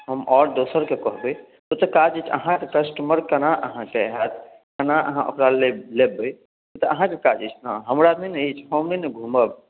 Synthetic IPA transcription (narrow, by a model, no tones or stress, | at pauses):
ɦəmʔɔɾd̪osəɾkekɔɦbəj | t̪ot̪ɔkad͡ʒit͡ʃʰə̰ɦãkekəsʈəməɾkənaʔə̰ɦãkeɦat̪ʰ | kənaʔəɦãʔo̰kɾalelebə | ot̪ɔəɦãkekad͡ʒit͡ʃʰnaɦəmɾad̪mineit͡ʃʰhomnineɡʱuməb